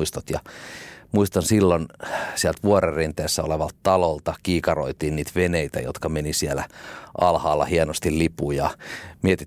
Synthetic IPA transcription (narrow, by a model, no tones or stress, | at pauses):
ist̪ot̪jɑmuist̪ɑnsilːonsiɛlt̪ʋuorerint̪eːsːæoleʋɑlt̪t̪ɑlolt̪ɑkiːkɑro̰it̪iːnniːt̪ʋeneit̪æ̰jo̰t̪kɑmenisielæ̰ʔɑlhɑːlːɑ̰hienost̪illipuːjɑmiet̪i